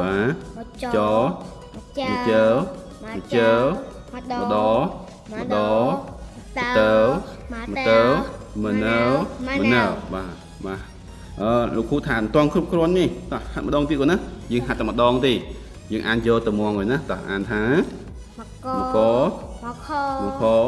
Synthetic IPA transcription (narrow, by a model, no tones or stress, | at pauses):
ɓaːt͡ɕɑː | mət͡ɕəː | mət͡ɕəːw | ɗməɗɑː | məɗɑː | mt̪əːw | mət̪əːw | mənəːmənəːwɓaː | ɓaː | ʔəːloːkʰːuːt̪ʰaːnt̪ŏənkʰrup̚kʰruənːiht̪ahat̪̚mə̆ɗɑːŋt̪iəkːuːnahjəːŋɦat̪̚ːawməɗɑːŋt̪eː | jəːŋʔaːnjoːlt̪ɨwmɔəŋəːjnaht̪ɑhʔa̰ːnt̪ʰaː | mokɔː | mokʰɔː